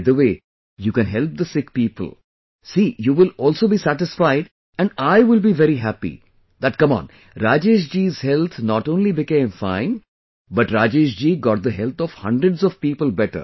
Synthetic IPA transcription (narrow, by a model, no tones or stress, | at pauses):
d̪əʋeː | juːkɛ̃nɦɛlp̚d̪əsɪk̚piːpə̰l | siːjuːʋɪlɔːlsoːbiːsæʈɪsfaɪɖ | ɛ̃nɖaɪʋɪlbiʋɛɾiɦæpḭ | d̪æʈ̚kʌ̃mɔ̰̃ːn | ɾaːd͡ʒeʃ̬d͡ʒiːz̥hɛlt̪ʰnɔʈõːnlibɪkẽːmfãɪ̃n | bʌʈɾaːd͡ʒeːʃd͡ʒiːɡɔːʈ̚d̪əɦɛlt̪ʰɔʋhʌ̰̃ɳɖɾəɖzɔv̥piːpəlbɛʈə̰ɾ